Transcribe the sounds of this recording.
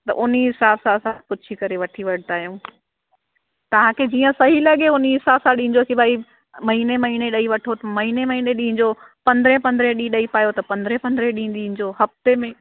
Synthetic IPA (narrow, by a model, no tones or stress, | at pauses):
t̪ɐ̰ʔʊniɦɪsaːbsãɐsãpʊt͡ɕʰikɐɾeʋɐʈʰiʋɐɽ̤ɪt̪aːɦijũː | t̪ɐʋ̤ãkʰeːd͡ʑiːə̃sɐɦilɐɠeʊniɦɪsaːbsãɗĩːɲ̆d͡ʑosibʱaːi | mɐɦinemɐɦineɗɐiʋɐʈʰot̪ɐmɐɦinemɐɦineɗĩːɪ̃ɲ̆d͡ʑo | pɐ̃nd̪ɾepɐ̃nd̪ɾeɗĩɗɐipaːjot̪ɐpɐ̃nd̪ɾepɐ̃nd̪ɾeɗĩːn̆d̪ĩɲ̆d͡ʑoːɦɐft̪emẽ